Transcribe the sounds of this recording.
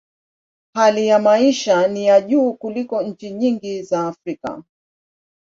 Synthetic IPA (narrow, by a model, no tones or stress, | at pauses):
halijamaiʃanijaʄuːkulikɔɲ̩t͡ʃiɲiŋɡizaːfɾika̰